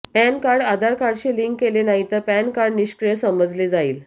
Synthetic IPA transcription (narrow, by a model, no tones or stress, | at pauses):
ænkaɾɽad̪ʱaɾkaɾɽɕiːliŋkːelenaɦit̪əɾpænkaɾɖniɕkɾijəsəməd͡zled͡zaiːl